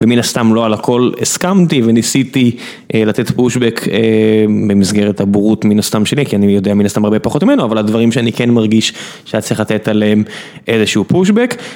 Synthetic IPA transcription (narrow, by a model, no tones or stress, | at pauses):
veminast̪amlo̞alako̞leskamtivenisit̪i | ʔlat̪etpuʃbekʰebemisɡeʁethabuʁutminast̪amʃe̞likianijo̞d̪eaminast̪amaʁbe̞paχo̞t̪mimenoavaladvaʁimʃeanikenmaʁɡiʃ | ʃeat̪t͡siχlat̪e̞t̪aleem | ʔezeʃuupuʃbek